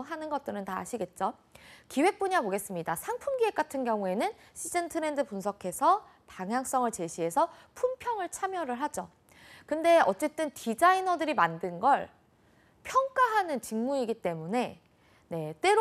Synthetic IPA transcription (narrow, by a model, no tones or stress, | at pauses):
ɦanɯnɡʌt͈̚ɯɾɯntaɦa̰ɕʰiɡe̞t̚t͡ɕ͈okiwe̞k̚p͈uɲamoɡe̞s͈ɯmɲidasʰaŋpʰumɡiwe̞k͈atʰɯnɡjʌŋue̞nɯn | ɕʰid͡ʑentʰɯɾe̞ndɯpunsʰʌkʰe̞sʰʌ | paŋɦjaŋs͈ʌŋɯɭt͡ɕe̞ɕʰiɦe̞sʰʌpʰumpʰjʌŋɯɭt͡ɕʰamjʌɾɯɭɦad͡ʑo | kɯnde̞ʌt͡ɕ͈e̞t͈ɯntid͡ʑainʌdɯɾimandɯnɡʌɭ | pʰjʌŋk͈aɦanɯnt͡ɕiŋmuiɡit͈e̞mune̞ | ne̞t͈we̞ɾ